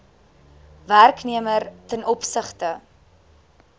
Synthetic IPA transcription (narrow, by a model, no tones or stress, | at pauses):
værkniəmərtɛnɔpsəχtə